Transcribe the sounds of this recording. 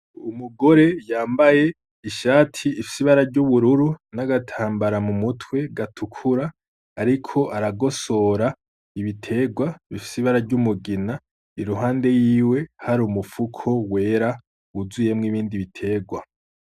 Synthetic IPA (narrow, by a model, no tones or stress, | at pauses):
umuɡo̞ɾe̞jaːmbaje̞ | iʃaːtʰiːfi̥siβaɾaɾɟuβuɾuɾunaɡatʰaːmbaɾamumutʰwe̞ɡatʰukʰuɾaː | ɾikʰo̞ʔaɾaɡo̞so̞ɾa | iβitʰe̞ɡwaβifi̥siβaɾaɾɟumuɡina | iɾuɦaːnde̞jiːwe̞haɾuːmufukʰo̞we̞ːɾa | βuzuje̞mŋiːβiːndiβitʰe̞ːɡwa